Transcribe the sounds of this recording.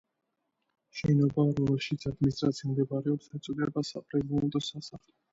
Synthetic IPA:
ʃɛnɔbaɾɔmɛlʃit̪sʰad̪minist̪ʼɾat̪sʰimd̪ɛbaɾɛɔpsɛt̪sʼud̪ɛbasapʼɾɛzɛnt̪ʼɔsasaχlɛ

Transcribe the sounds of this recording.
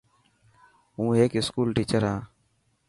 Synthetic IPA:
ɦũːɦeːkɪskuːlʈiːt͡ʃəɾɦãː

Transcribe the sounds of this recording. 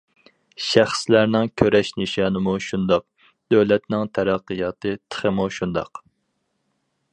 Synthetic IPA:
ʃæχslæɾnɪŋkʲʰøɾɛʃnɨʃɑːnɨmuʃund̪ɑq̚ | d̪̥øwlɛt̪nɪŋt̪ʰæɾæqːəjɑːt̪ʰɨt̪ʰə̥χəmuʃund̪ɑ̰q

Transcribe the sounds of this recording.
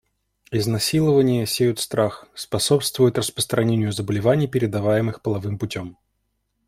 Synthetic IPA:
ɪznɐsʲilˠəvənʲɪjəsʲejʊt̪st̪ɾaxspɐso̞pst̪vʊjʊt̪rəspɾə̥st̪ɾʔɐnʲenʲɪjʊzəbəlʲɪvanʲɪjpʲɪɾʲɪd̪ɐvajɪmɨxpəlˠɐvɨmpʊtʲom

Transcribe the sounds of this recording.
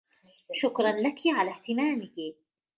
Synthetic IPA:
ʃʊkɾˤɑnlakiʕalaːht̪ɪmaːmɪki

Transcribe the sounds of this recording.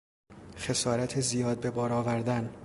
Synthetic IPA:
χe̞sɒːɾæt̪ʰezijɒːd̪̚be̞bɒːɾɒːvæɾd̪æn

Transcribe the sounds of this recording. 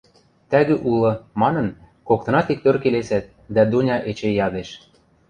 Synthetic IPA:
t̪æɣĕʔulɤ̆mɑnɤ̆n | kok̚t̪ɤ̆nɑt̪ik̚t̪ørkelesæt̪̚ | d̪æd̪unʲɑʔet͡ɕejɑd̪eʃ

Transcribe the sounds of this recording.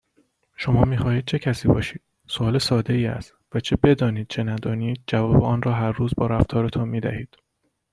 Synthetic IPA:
ʃomɒːmiːxɒːhiːd̪̚t͡ʃʰe̞cʰæsiːbɒ̰ːʃiːd̪̥ | soɒːlesɒːd̪e̞iːæ̰st̪væt͡ʃʰe̞be̞d̪ɒːniːd̪̚t͡ʃʰe̞næd̪ɒːniːd̪̚d͡ʒævɒːbeɒːnrɒːɦæɾːuːzbɒːɾæft̪ʰɒːɾe̞t̪ʰonmiːd̪æ̰hiːd̪̥

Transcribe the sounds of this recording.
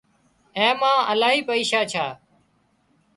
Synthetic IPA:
ẽːmãːəlaːɦiːpəiːʃaːt͡ʃʰaː

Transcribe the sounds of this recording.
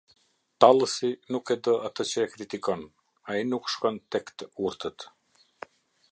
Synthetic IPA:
t̪alˠəsinukɛd̪əat̪ət͡ɕəɛkɾit̪ikɔn | ainukʃkɔnt̪ɛkt̪əuɾt̪ət̪

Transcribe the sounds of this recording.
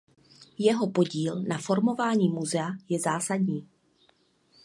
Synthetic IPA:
jɛɦo̞po̞ɟiːlnafo̞ɾmo̞vaːɲiːmuzɛajɛzaːsadɲiː

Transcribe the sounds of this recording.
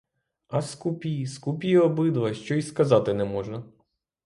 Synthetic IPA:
ɐskupʲijskupʲijɔbɪd̪ʋɐʃt͡ʃɔiskɐzɑt̪ɪnɛmɔʒnɐ

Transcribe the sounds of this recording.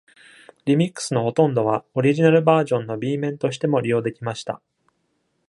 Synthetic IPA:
ɾʲimʲikːɯ̥sɨno̞ho̞t̪õ̞nd̪o̞βao̞ɾʲiʑinaɾɯ̟baːʑõ̞nːo̞bʲiːmẽ̞nt̪o̞ɕi̥t̪e̞mo̞ɾʲijo̞ːd̪e̞kʲimaɕi̥t̪a̰

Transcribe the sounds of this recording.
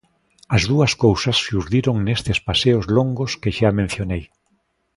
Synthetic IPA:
ɐzðuɐskowsɐsːuɾðiɾoŋnest̪espaseozloŋɡoskeʃamẽn̟θjonej

